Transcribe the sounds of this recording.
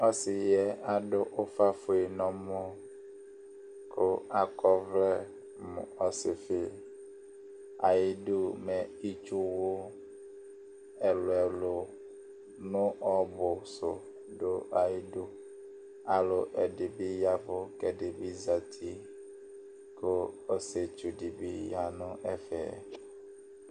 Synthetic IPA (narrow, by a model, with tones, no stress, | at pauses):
ɔ˦sɪ˨jɛ˦a˨ɖʊ˦ʔo˦fa˦fo˨i˨nɔ̃˨mo˦ | kʰo˦a˨kɔ˦vlɛ˦ | mʊ̰̃˨ɔ˨sɪ˨fɪ˦ | a˨ji˦du˦mɛ˨i˦t͡ʃu˦wo˦ | ɛ˨lo˨ɛ˨lo˨ | nʊ̃˦ʔɔ˦bʊ˨sʊ˨ | dʊ˦ʔa˨ji˦du˦ | a˨lʊ˨ʔɛ˨dɪ˨bi˦ja˦fʊ˦kɛ˨dɪ˨bi˦za˨t̪ʰi˦ | ko˦o˦se˨t͡ʃu˨di˨bi˦ja˦nʊ̃˦ʔɛ˦fɛ̰ː˨